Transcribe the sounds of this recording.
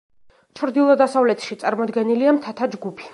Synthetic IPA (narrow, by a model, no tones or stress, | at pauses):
t͡ʃʰɾd̪ilˠɔd̪asavlɛt̪ʰʃit̪sʼaɾmɔd̪ɡɛniliamt̪ʰat̪ʰad͡ʒɡupʰi̥